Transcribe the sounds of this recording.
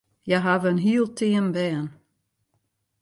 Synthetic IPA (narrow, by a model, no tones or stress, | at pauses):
jaɦavəənɦiːəlˠtʰiənbɛːən